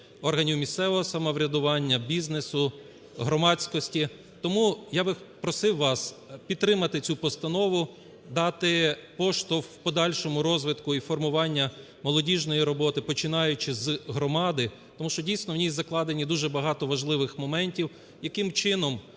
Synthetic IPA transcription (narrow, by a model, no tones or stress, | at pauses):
ɔrɦɐnʲiwmʲist̪sɛʋɔɦɔsɐmɔʋɾʲɐd̪ʊʋɑnʲːɐbʲiznesʊ | ɦɾɔmɑt͡sʲkɔsʲtʲi | t̪ɔmujaʋɪpɾɔsɪwːɑspʲid̪t̪ɾɪmɐt̪ɪt͡sʲupɔst̪ɐnɔʋʊ | d̪ɑt̪ɪpɔʃt̪ɔwpɔd̪ɑlʲʃɔmʊɾɔzʋɪt̪kʊifɔrmʊʋɑnʲːɐ | mɔlˠɔdʲiʒnɔjiɾɔbɔt̪ɪpɔt͡ʃɪnɑjʊt͡ʃɪzɦɾɔmɑd̪ɪ | t̪ɔmuʃt͡ʃɔdʲijsʲnɔwnʲijzɐklˠɑd̪enʲid̪uʒɛbɐɦɑt̪ɔʋɐʒlˠɪʋɪxmɔmɛnʲtʲiw | jɐkɪmt͡ʃɪnɔm